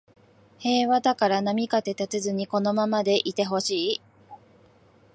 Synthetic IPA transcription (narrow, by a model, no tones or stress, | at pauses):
he̞ːβad̪akaɾanamʲikat̪e̞t̪at͡sɨzɨɲ̟iko̞no̞mamad̪e̞ʔit̪e̞ɦo̞ɕiː